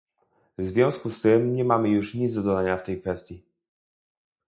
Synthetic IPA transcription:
vzvʲjɔ̃w̃skust̪ɘmɲɛmamɘjuʂɲid̪zd̪ɔd̪ɔd̪aɲaft̪ɛjkfɛst̪ʲji

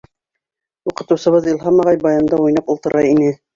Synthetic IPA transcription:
uqɤ̆t̪ɤ̆wsɤ̆βɤðilˠɦɑmɑʁɑjbɑjɑnd̪ɑujnɑpulˠt̪ɤ̆ɾɑinɘ

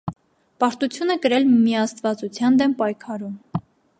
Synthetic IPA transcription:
pɑɾt̪ut͡sʰjunəkəɾɛlmiɑst̪vɑt͡sut͡sʰjɑnd̪ɛmpɑjkʰɑɾum

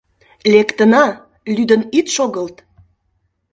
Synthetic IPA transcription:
lekt̪ənɑ | lyd̪ənit̪ʃoɣəlt̪

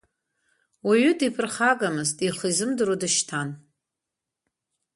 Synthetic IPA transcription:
waɥʏdipʰɨrχakʼamɨztʼiχizɨmdɨɾodɨʃtʰan

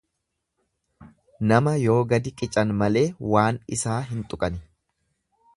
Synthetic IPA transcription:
nɐmɐjo̞ːɡɐd̪ɪkʼɪt͡ʃʼɐnmɐle̞ːwaːnɪsaːɦɪnt̪ʼʊkʼɐnɪ

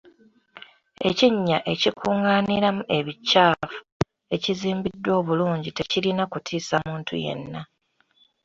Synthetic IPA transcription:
e̞ciɲːaʔe̞cikʰuːŋaːniɾamuʔe̞βicːaːfu̥ | e̞ciziːmbidːwo̞ːβuluːɲɟite̞cilinakutʰiːsamuːntʰṵje̞̰nːa

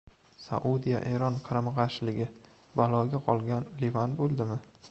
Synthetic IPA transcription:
sa̰ʔud̪ija̰ʔeɾɒnqʰɨɾamʁɑʃlɪɡʲɪ | balˠɒɡʲaqʰɒlˠɡʲanlivanbolˠd̪ɪmɪ

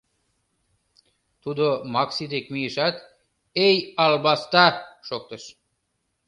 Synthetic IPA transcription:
t̪ud̪omɑksit̪ekmijəʃɑt̪ | ejɑlbɑst̪ɑʃok̚t̪əʃ

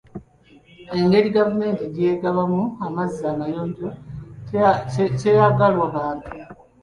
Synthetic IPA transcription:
eŋɡeɾiɡavume̞ːntiɾje̞ːɡaβamuamazːamajoːnto | tejaɡalwaβaːntu

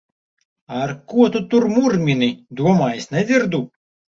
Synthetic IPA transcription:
arkuɔt̪ut̪urmurmʲinɨd̪uɔmɑjsʲnɛzʲird̪u

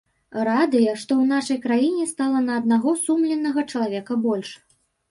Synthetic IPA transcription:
rad̪ɨjɛʂt̪ɔwn̪aʂɐjkɾajinʲɛst̪alˠɐnɐːd̪̚naɣɔsumlʲɛnːɐɣɐt͡ʂɐlˠavʲɛkɐbɔlʲʂ

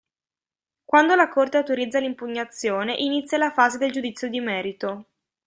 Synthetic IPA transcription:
kwand̪olakort̪eawt̪oɾid̪zːalimpuɲːat̪sːjoːneʔinit̪sjalafaːzed̪eld͡ʒud̪it̪sːjod̪imɛːɾit̪o

